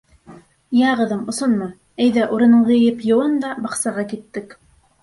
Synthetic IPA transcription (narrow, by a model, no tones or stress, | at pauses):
jæʁɤ̆ðɤmŏsonmɑ | æjðæʔuɾɤ̆nɤɴʁɤ̆jɘpjŏwˠɤnd̪ɑbɑqsɑʁɑkit̪ːɘk